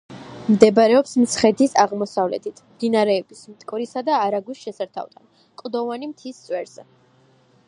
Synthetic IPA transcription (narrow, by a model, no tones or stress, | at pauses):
md̪ɛbaɾɛɔpsmt̪sʰχɛd̪isaʁmɔsavlɛ̰t̪ʰit̪ʰd̪inaɾɛɔbismt̪ʼkʼvɾisad̪aːɾaɡisʃɛsaɾt̪ʰa̰vt̪ʰan | kʼd̪ɔvanimt̪ʰist̪sʼwɛɾz̥ɛ